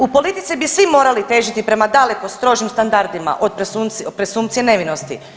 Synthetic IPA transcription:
upo̞lit̪it̪sibisʋimo̞ːɾalit̪e̞ːʒit̪ipɾe̞mad̪ale̞ko̞st̪ɾo̞ʒimst̪and̪aɾd̪ima̰ʔod̪̚pɾesuopɾesuːmt̪sijene̞ʋino̞st̪ḭ

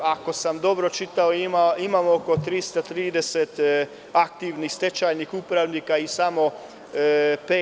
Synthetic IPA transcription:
ako̞samd̪o̞bɾo̞t͡ʃit̪aoimaimaːmoko̞t̪ɾist̪at̪ɾiːd̪e̞set̪ | ak̚t̪iʋnixst̪e̞t͡ʃajnixupɾaʋniːkaisamo̞ | peː

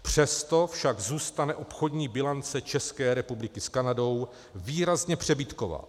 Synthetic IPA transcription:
pr̝̥ɛst̪o̞fʃaɡzuːst̪anɛʔo̞pxo̞dɲiːbɪlant͡sɛt͡ʃɛskɛːɾɛpublɪkɪskanado̞w | viːɾazɲɛpr̝̥ɛbit̪ko̞va̰ː

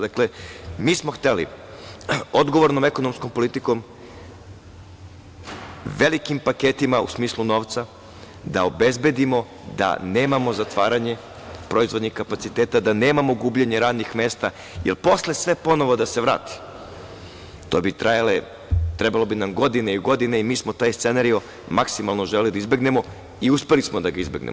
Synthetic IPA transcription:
d̪aklemiːsmo̞xt̪elḭ | od̪ɡo̞ʋo̞ɾno̞meko̞no̞msko̞mpo̞lit̪iko̞m | ʋe̞likimpaket̪imaṵsmiːsluno̞ːʋt̪sa | d̪a̰o̞be̞zbe̞d̪imo̞ | d̪a̰ne̞ːmamo̞zat̪ʋaːɾaɲe̞ | pɾoizʋo̞d̪ɲixkapat̪sit̪eːt̪ad̪ane̞ːmamo̞ɡuːbʎeɲeɾaːd̪nixme̞ːst̪a | jelpo̞sle̞sʋe̞po̞no̞ʋo̞d̪ase̞ʋɾa̰ːt̪i̥ | t̪o̞ːbit̪ɾajale | t̪ɾebalˠo̞binamɡo̞d̪ineiɡo̞d̪ineimiːsmot̪aːjst̪senaɾio | maksimalˠno̞ʒelelid̪aizbe̞ɡne̞mo̞ | iuspe̞lismod̪aɡaizbe̞̰ɡnḛmo

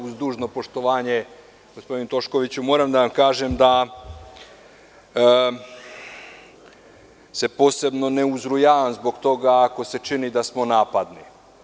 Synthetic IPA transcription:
uzd̪uːʒno̞po̞ʃt̪o̞ʋaːɲe̞ | ɡospo̞d̪inut̪o̞ʃko̞ʋit͡ɕumo̞ːɾamd̪aʋamkaːʒemd̪a | se̞po̞ːse̞bno̞ne̞uzɾujaːʋamzbo̞ɡt̪o̞ɡaːko̞se̞t͡ʃinid̪asmo̞naːpad̪ni

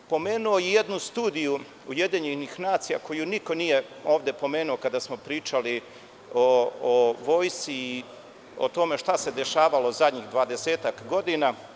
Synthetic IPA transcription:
po̞meːnuo̞jije̞d̪nust̪uːd̪iju | uje̞d̪iɲenixnaːt̪sija̰ko̞juniko̞nije̞o̞ːʋd̪e̞po̞me̞ːnuokad̪asmo̞pɾiːt͡ʃali | ooʋo̞ːjst̪iː | o̰t̪o̞me̞ʃt̪ase̞d̪e̞ʃaːʋalozad̪ɲixd̪ʋaːd̪e̞seːt̪akɡo̞d̪ina

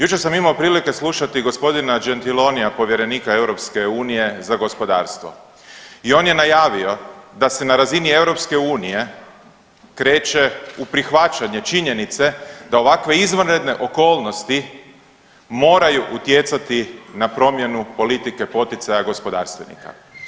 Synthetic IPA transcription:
jut͡ʃeɾsamimaopɾiːlike̞slˠuʃat̪iɡo̞spo̞d̪inad͡ʒe̞nt̪ilo̞nijapo̞ʋje̞ɾe̞niːkae̞wɾo̞pske̞uːnije̞zaɡo̞spo̞d̪a̰ːɾst̪ʋo̞̰ | io̞nje̞najaːʋio̞d̪ase̞naɾazinie̞wɾo̞pske̞uːnije̞ | kɾe̞ːt͡ʃe̞upɾixʋat͡ʃaɲe̞t͡ʃiɲe̞nit̪se̞d̪ao̞ʋakʋe̞izʋanɾe̞d̪ne̞ʔo̞ko̞ːlˠno̞st̪i | mo̞ːɾajuʔut̪je̞t̪sat̪inapɾo̞mje̞nupo̞lit̪ike̞po̞t̪it̪sajaɡo̞spo̞d̪a̰ːɾst̪ʋe̞nḭka̰

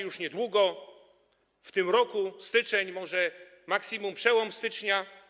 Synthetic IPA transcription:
juʂɲɛd̪wuɡɔ | ft̪ɘmɾɔkust̪ɘt͡ʂɛɲmɔʐɛ | maksʲimumpʂɛwɔmst̪ɘt͡ʂɲa

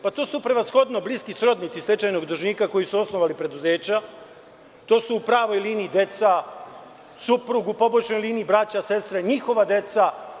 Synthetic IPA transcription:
pat̪o̞ːsupɾe̞ʋasxo̞d̪nobliskisɾo̞d̪nit̪sisle̞t͡ʃajno̞ɡd̪uʒniːkako̞jisuo̞snoʋalipɾe̞d̪uze̞ːt͡ɕa | t̪o̞ːsuːpɾaːʋo̞jliːniːd̪e̞t̪sa | supɾuɡupo̞boʃnojliːniːbɾat͡ɕase̞st̪ɾaɲixo̞ʋad̪e̞t̪sa

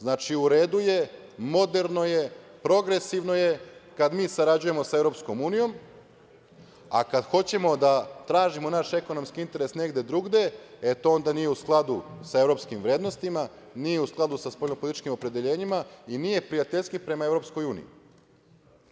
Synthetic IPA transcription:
znaːt͡ʃiuɾe̞ːd̪uje̞ | mo̞d̪e̞ɾno̞je̞pɾo̞ɡɾe̞siʋno̞je̞kad̪miːsaɾad͡ʑuje̞mo̞saeʋɾo̞ːpsko̞muːnijo̞m | a̰kad̪xo̞t͡ɕe̞mo̞d̪at̪ɾaːʒimo̞naʃe̞ko̞no̞mskiint̪e̞ɾe̞sne̞ɡd̪e̞d̪ɾuɡd̪e̞e̞t̪oo̞nd̪anijeusklˠad̪usae̞vɾo̞ːpskimʋɾeːd̪no̞st̪ima | niːjeusklˠad̪usaspoʎʲnopo̞lit̪i̥t͡ʃkimo̞pɾe̞d̪e̞ʎe̞ːɲimainije̞pɾijat̪eʎskipɾe̞mae̞vɾo̞psko̞juːnḭjḭ

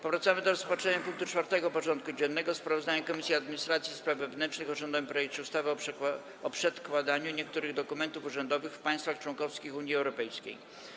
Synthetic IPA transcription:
pɔvɾat̪samɘd̪ɔɾɔspɔt͡ʂɛɲapuŋk̚t̪ut͡ʂfaɾt̪ɛɡɔpɔt͡ʂɔnt̪̚kud͡ʑɛnːɛɡɔspɾavɔzd̪aɲakɔmʲisʲiad̪mʲiɲist̪ɾat̪sʲjispɾavvɛvnɛnt͡ʂnɘxɔʐɔnd̪aɲpɾɔjɛkt͡ɕɛust̪avɘɔ | ɔpʂɛt̪kwad̪aɲuɲɛkt̪uɾɘɣd̪ɔkumɛnt̪ufuʐɛnd̪ɔvɘxfpaj̃st̪faxt͡ʂwɔŋkɔfskʲixuɲjiɛwɾɔpɛjskʲḛj

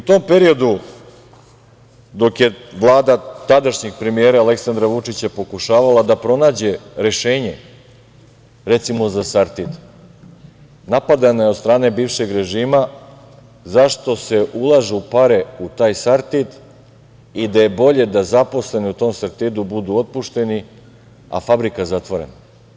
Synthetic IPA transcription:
ut̪o̞ːmpe̞ɾio̞d̪u | d̪o̞kje̞ʋlˠaːd̪at̪ad̪aʃɲeɡ̚pɾe̞mieːɾaːle̞ksand̪ɾaʋut͡ʂit͡ɕepo̞kuʃaːʋalad̪apɾo̞naːd͡ʑe̞ɾe̞ʃeːɲe̞ | ɾet̪simo̞zasaɾt̪id̪ | napad̪anajed̪st̪ɾaːne̞biːʋʃe̞ɡɾe̞ʒiːma | zaʃt̪o̞se̞ʔulˠaʒeupaɾe̞ut̪aːjsaɾt̪id̪ | id̪aje̞bo̞ʎe̞d̪azapo̞sle̞niut̪o̞ːmsaɾt̪id̪ubud̪uːo̞t̪̚puʃt̪e̞ni | a̰fabɾikazat̪ʋo̞ɾe̞̰na

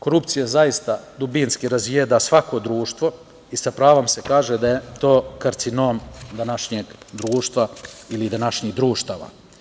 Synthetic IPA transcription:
ko̞ɾupt̪sijazajist̪ad̪ubinskiɾazjed̪asʋako̞d̪ɾuːʃt̪ʋo̞ | isapɾaːʋo̞mse̞kaːʒed̪ajet̪o̞ːkaɾt̪sino̞ːmd̪anaʃɲeːɡd̪ɾuːʃt̪ʋailid̪anaʃɲiːd̪ɾuːʃt̪aːʋa̰

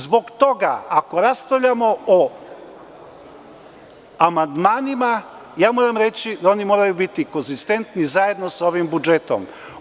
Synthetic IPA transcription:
zbo̞ɡt̪o̞ɡa̰ʔakoɾasp̪ɾaʋʎamo̞o | amand̪maːnima | jaːmo̞ːɾamɾet͡ɕid̪ao̞nimo̞ːɾajubit̪iko̞nzist̪e̞nt̪nizaje̞d̪nosaoʋimbud͡ʒet̪o̰m

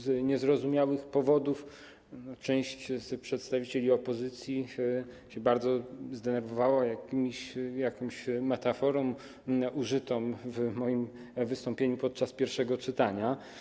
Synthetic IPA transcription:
zɲɛzɾɔzumʲjawɘxpɔvɔd̪uf | ɔt͡ʂɛ̃w̃ɕt͡ɕspʂɛt̪st̪avʲit͡ɕelʲiɔpɔzɘt̪sʲji | ɕɛbaɾd̪zɔzd̪ɛnɛɾvɔvawajakʲimʲɕjakɔmɕmɛt̪afɔɾɔ̃m | ʔuʐɘt̪ɔmvmɔjim | vɘst̪ɔmpʲjeɲupɔt̪̚t͡ʂaspʲjɛɾfʂɛɡɔt͡ʂɘt̪aɲa

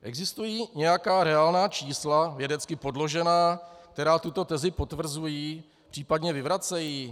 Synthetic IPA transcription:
ʔɛɡzɪst̪ujiːɲɛjakaːɾɛalnaːt͡ʃiːslavjɛdɛt͡skɪpo̞dlo̞ʒɛnaːk̚t̪ɛɾaːt̪ut̪o̞t̪ɛzɪpo̞t̪vr̩zujiː | pr̝̥iːpadɲɛvɪvɾat͡sɛjiː

